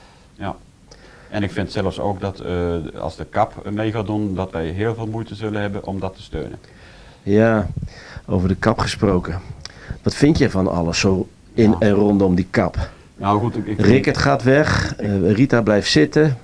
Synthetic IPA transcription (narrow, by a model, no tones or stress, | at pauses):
ja | ɛnɪkfɪntsɛləfso̰ːkdɔtɑ̰lˠzdəkɑpmejɣaːdundɑtʋɛjɦɪːlˠvɪːlˠmujtəzɵlənɦɛbənʔɔmdɔtə̥stø̰ːnə̰n | jaː | owvərdəkɑpχə̥sprowkəʋɑtfɪntjəvɔnɑ̰ləsːoː | ɪnɛnrɔndɔmdikɑp | nawxutrɪkətχaːtʋɛχritablɛjftsɪtə